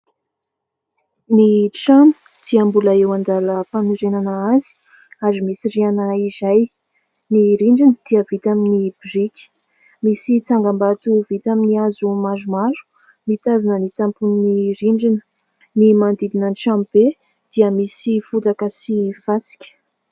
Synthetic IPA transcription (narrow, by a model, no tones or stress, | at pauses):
niʈ͡ʂamu̥ | d̪iambuləewand̪aləpaniɾenanəazi̥ | aɾimisirianəizaj | niɾiɳɖ͡ʐinəd̪̥iəvit̪aminibirikʲi̥ | misit͡saŋɡambat̪uvit̪aminiazumazumaɾu̥ | nit̪azanənit̪ampunniɾiɳd͡ʒinə̥ | nimand̪id̪inənʈ͡ʂamb̥e | d̪̥iəmisifut̪akəsiv̥asi̥kʲə̥